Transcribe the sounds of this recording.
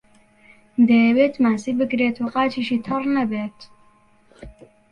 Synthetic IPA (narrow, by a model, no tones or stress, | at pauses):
d̪ejɛweːt̪maːsiːbɨkɾeːt̪ʰoqɑːt͡ʃʰiːʃiːt̪ʰɨrnɐbeːt̪